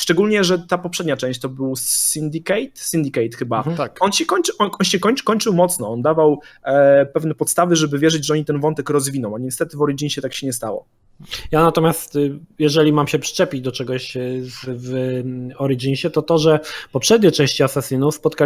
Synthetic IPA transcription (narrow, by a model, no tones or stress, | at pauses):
ʂt͡ʂɛɡulʲɲɛʐɛt̪apɔpʂɛd̪̚ɲat͡ʂɛ̃w̃ɕt͡ɕt̪ɔbɘwsind̪ikɛjt̪sind̪ʲikɛjt̪xɘbat̪akɔnɕɛkɔɲt͡ʂʔɔɔnɕɛkɔɲkɔɲt͡ʂɘwmɔt̪snɔɔnd̪avaw | pɛvnɛpɔt̪st̪avɘʐɛbɘvʲjɛʐɘd͡ʑʐɛɔɲit̪ɛnvɔnt̪ɛkɾɔzvʲinɔ̃w̃aɲɛst̪ɛt̪ɘvɔɾid͡ʒiɲɕɛt̪akɕɛɲɛst̪awɔ̰ | janat̪ɔmʲjast̪jɛʐɛlʲimamɕɛpʂɘ̥t͡ʂɛpʲid͡ʑd̪ɔt͡ʂɛɡɔɕzv | ɔɾiʐiɲɕɛt̪ɔt̪ɔʐɛpɔpʂɛd̪̚ɲejt͡ʂɛ̃w̃ɕt͡ɕiasasinuspɔt̪̚ka